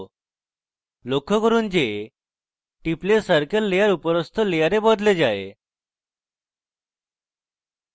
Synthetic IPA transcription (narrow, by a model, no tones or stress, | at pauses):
lokːɔkəɾuːnd͡ʑe | ʈiplesəɾkəlːejaɾupɔɾɔst̪ʰɔlejaɾebɔd̪led͡ʑaḛ